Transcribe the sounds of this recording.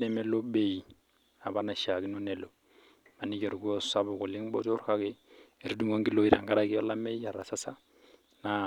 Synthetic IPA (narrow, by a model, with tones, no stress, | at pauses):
deme˦lo˦beji˨ | a˨bana˨ʃa˨ɡi˦no˦ne˨lo˨ | a˨ni˦ke˨ɾu˨ɡu˦o˦sa˦bo˨ko˨li˦ŋbo̰˦to˦ɾka˦ke˦i˨ɾi˦du˦ŋo˦ŋɡi˦lo˦i˨ɾa˨ŋɡa˦ɾaki˦ɔ˦la˦me˦ja˨ɾa˨sa˦sa˦ | na